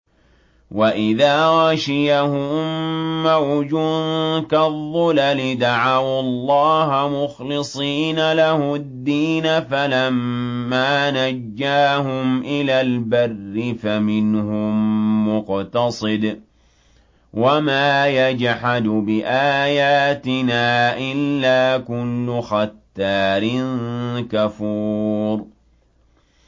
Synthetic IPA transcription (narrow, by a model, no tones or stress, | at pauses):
waʔɪðaːɾɑʃɪjahʊmːawd͡ʒʊnkaðˤːʊlalɪd̪aʕawlˤːɑːhmʊxlɨsˤiːnalahʊd̪ːiːnafalamːaːnad͡ʒːaːhʊmʔɪlaːlbarːɪfamɪnhʊmːʊqt̪ɑsˤɨd̪ | wamaːjad͡ʒħad̪bɪʔaːjaːt̪ɪnaːʔɪlːaːkʊlːʊxat̪ːaːɾɪnkafuːɾ